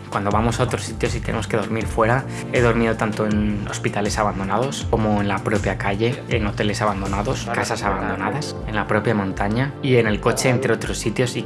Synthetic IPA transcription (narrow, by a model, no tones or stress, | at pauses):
kwand̪o̞βamo̞sao̞t̪ɾosːit̪jo̞sit̪e̞nemo̞ske̞ðo̞ɾmiɾfwe̞ɾa | e̞ðo̞ɾmiðo̞t̪ant̪o̞eno̰spit̪ale̞saβand̪o̞naðo̞sko̞mo̞enlapɾo̞pjakaʎe̞ːno̞t̪e̞le̞saβand̪o̞naðo̞skasasaβand̪o̞naðas | e̞nlapɾo̞pjamõnt̪aɲaie̞ne̞lko̞t͡ʃe̞ːnt̪ɾeo̞t̪ɾo̞sːit̪jo̞si